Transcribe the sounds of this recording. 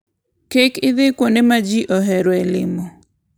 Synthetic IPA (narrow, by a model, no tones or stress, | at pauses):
kekɪðɪkwonemad͡ʒiʔɔɦɛɾwɛlɪmɔ